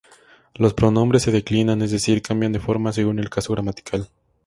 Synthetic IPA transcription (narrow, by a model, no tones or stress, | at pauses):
lo̞spɾo̞no̞mbɾe̞sːe̞ðe̞klinanezðe̞siɾkambjand̪efo̞ɾmas̬e̞ɣune̞lkaso̞ɣɾamat̪i̥kʰal